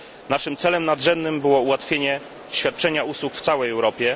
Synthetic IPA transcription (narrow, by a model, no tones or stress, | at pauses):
naʂɘmt̪sɛlɛmnad̪ʐɛnd̪nɘmbɘwɔuwat̪fʲjeɲɛ | ɕfʲjat̪̚t͡ʂɛɲauswukft̪sawɛjɛwɾɔpʲjɛ